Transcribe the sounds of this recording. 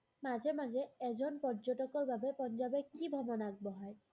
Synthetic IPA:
mazemazɛɛzɔnpɔɹd͡ʒotɔkɔɹbabepɔnd͡ʒabekibʱɔmɔnaɡ̚bɔɦɔj

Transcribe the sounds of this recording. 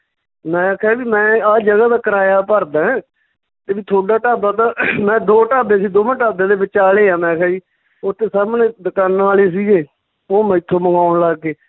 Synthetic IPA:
mɛ̃ːkʰɛbiːmɛ̃ːaːd͡ʒəɡaːd̪aːkəɾaːjaːpəɾd̪ãːɛ̃ː | t̪eːʋiːt̪ʰoːɖaːʈaːbaːt̪aːmɛ̃ːd̪oːʈaːbeːsiːd̪oːmə̃ːʈaːbãːd̪eːbɪt͡ʃaːleːaːmɛ̃ːkʰɛːiː | ot̪ʰːeːsaːmnẽːd̪əkaːnːaːleːs̬iːɡeː | oːmɛ̃ːɪt̪ʰːoːməɡaːʊɳlaːkeː

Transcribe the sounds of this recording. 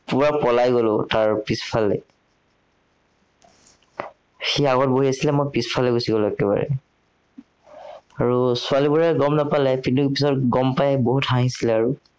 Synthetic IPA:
puɹapɔlajɡolʊtaɹpispʰalɛ | xiaɡɔt̚boɦiasilɛmɔjpispʰalɛɡusiɡɔlʊɛkɛba̰ɹɛ̰ | aɹusʊalibuɹɛɡɔmnapalɛpintukpisɔtɡɔmpajboɦuthaɦĩsilɛaɹu

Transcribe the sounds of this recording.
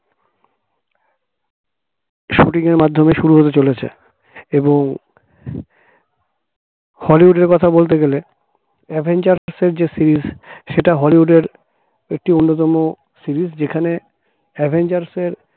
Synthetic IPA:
ʃoʈiŋeɾmad̪ʱːomeʃuɾuɦot̪et͡ɕolet͡ɕʰḛ | eboŋ | hɔliɦuɖeɾkɔt̪ʰabolt̪̬eɡele | ɛbʱend͡ʑaɾseɾd͡ʑesiɾizʃeʈaɦɔliɦuɖeɾ | ek̚ʈionːot̪ɔmo | siɾizd͡ʑekʰane | ɛbʱend͡ʑaɾseɾ

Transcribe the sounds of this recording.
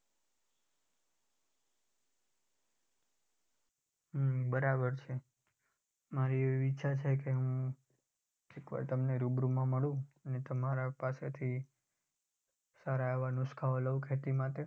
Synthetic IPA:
ɦbəɾabəɾt͡ʃʰe | maɾieʋiiʃʰat͡ʃʰekeɦũ | ekʋa̰ɾt̪əmneɾubɾumãməɽũənet̪əmaɾapaset̪ʰi | saɾaeʋanʊskʰaoləʋkʰet̪imãt̪e

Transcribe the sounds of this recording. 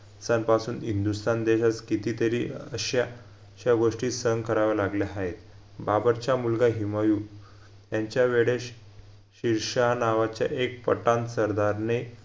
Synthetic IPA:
sanpasuːnɦind̪ust̪and̪eɕat͡skit̪it̪əɾḭːəɕja | ɕjaɡoʂʈiːsəŋɡkʰəɾaʋalaɡljaːɦet̪ | babəɾt͡ɕamulɡaɦimajuː | jaɲt͡ɕjaʋeɽeɕ | ɕiɾʂanaʋat͡ɕja̰ʔek̚pə̰ʈãnt̪səɾd̪aɾne

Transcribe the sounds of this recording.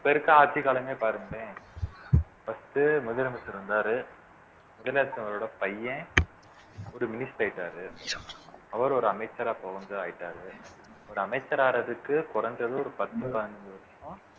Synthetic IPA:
pːɐjɪɾɯkːɐ̃aːɾt͡ʃːikaːlɐmeːpaːɾɯŋɡɐɽẽː | fɐst̪ɯmʊðɐlɐmɐsɐɾɯnd̪aːɾɯ | mʊðɐlaːɾɐt̪ːɯɐʋɐɾoːɽɐpɐjːɛ̃ | ɔɾɯmɪnɪsʈaːjɪʈːaːɾɯ | ɐʋɐɾɔɾɯɐmɐɪt͡ʃːɐɾaːpoːɣɐnd̪ɯaːjɪʈːaːɾɯ | ɔɾɯɐmɐɪt͡ʃːɐɾaːɾɐðɯkːɯkɔɾɐnd̪ɾɐðɯ̃ɔɾɯpɐt̪ːɯpɐðɐnɐd͡ʒɯʋɐɾɐsʊ̃

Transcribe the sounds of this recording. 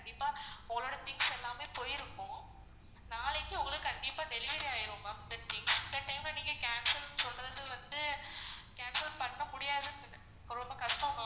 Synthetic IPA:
kɐɳɖɪpːaːɔŋɡɐɭoːɽɐt̪ɪŋsɛlːaːmeːpoːjɪɾɯkːʊ̃ː | naːlɐkːɯʊŋɡɐɭɯkɐɳɖɪpːaːd̪ɛlɪʋɐɾiaːjɪɾɯ̃maːd̪ɐt̪ɪŋsɐd̪ɐʈːɐɪmlɐniːŋɡɐkaːnsɐɾnːsɔnɾɐðɯʋɐnd̪ɯkaːnsɐɾpɐɳːɐmʊɽɪjaːðɯ | ɾɔmbɐkɐʂʈɐ̃aː

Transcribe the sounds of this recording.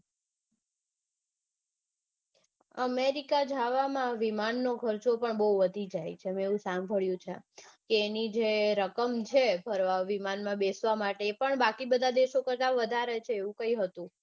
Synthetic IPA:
ə̰meɾikad͡ʒʱaʋamãʋimanːokʰəɾt͡ʃopəɳbəɦuʋəd̪ʱid͡ʒajt͡ʃʰemeũsambʱəɭjũt͡ʃʰḛkeːnid͡ʒeɾəkəmt͡ʃʰebʱəɾʋaʋimanmãbesʋamaʈeːpəɳbakibəd̪ʱad̪eʃokəɾt̪aʋəd̪ʱaɾet͡ʃʰeːʋũkəiɦət̪ũ

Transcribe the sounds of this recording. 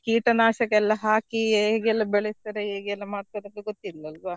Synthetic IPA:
kiːʈɐnaːʃɐkːɛlːɐɦaːkieːɡɛlːɐbɛɭest̪ɐɾeeːɡɛlːɐmaːɖ̚t̪ɐɾent̪eɡot̪ːilːɐlʋa

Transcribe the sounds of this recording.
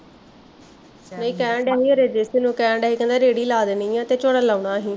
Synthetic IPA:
nəĩːkɛːɳɖɛːɦiːoɾeːd͡ʒeːsenũːkɛ̃ːɳɖɛːɦiːkə̃nd̪aːɾeːɽiːlaːd̪eniːãːt̪eːt͡ʃoːɽaːlaːʊɳaːɦiː

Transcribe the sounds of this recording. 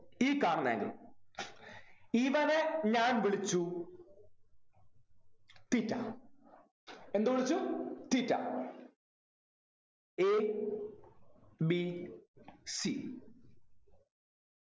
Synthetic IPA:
iːkaːɳɐnḛːŋɡḭl | iʋɐneɲaːnʋiɭit͡ɕːu | t̪itːa̰ | e̞nd̪uʋiɭit͡ɕːut̪itːa̰ | e | bi | si

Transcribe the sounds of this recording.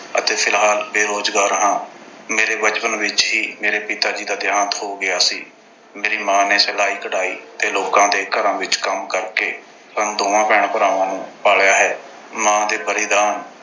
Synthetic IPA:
ə̰t̪eːpʰɪlɦaːlbeːɾoːzɡaːɾɦãːmeːɾeːbət͡ʃpənʋɪt͡ʃɦiːmeːɾeːpɪt̪aːd͡ʒiːd̪aːd̪ɪjãːnt̪ɦoːɡɪjaːsḭː | meːɾiːmãːneːsɛlaːiːkəɽaːḭːt̪eːloːkãːd̪eːkəɾãːʋɪt͡ʃkəmkəɾkeː | pənd̪oːãːpɛːɳ̃pəɾaːʋãːnũːpaːljaːɦɛː | mãːd̪eːbəɾɪd̪aːn

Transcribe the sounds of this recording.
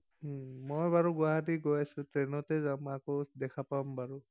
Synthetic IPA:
mojbaɹuɡʊaɦatiɡojasʊ̃tɹenɔtɛzamakɔdɛkʰapambaɹu

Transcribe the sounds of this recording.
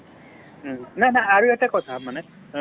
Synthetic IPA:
nanaːɹuetakɔt̪ʰamane

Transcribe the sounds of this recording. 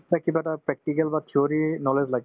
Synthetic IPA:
akibɐʈapɾɛk̚ʈikəlbat̪ʰioːɾinɔled͡ʒlaɡ

